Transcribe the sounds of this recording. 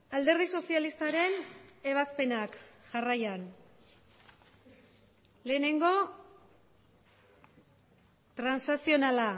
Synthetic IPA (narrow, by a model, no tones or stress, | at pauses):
ald̪e̞ɾð̞iso̞sialist̪aɾe̞ne̞β̞aspe̞nakʝarajan | le̞ːne̞ŋɡo̞ | t̪ɾansasio̞nala